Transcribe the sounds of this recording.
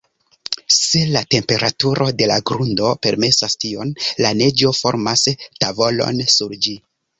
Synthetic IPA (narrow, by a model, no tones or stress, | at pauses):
se̞late̞mpe̞ɾatuɾʔo̞de̞laɡɾundo̞pe̞ɾme̞sastio̞nlane̞d͡ʒo̞fo̞̰ɾmastavo̞lo̞̰nsuɾd͡ʒi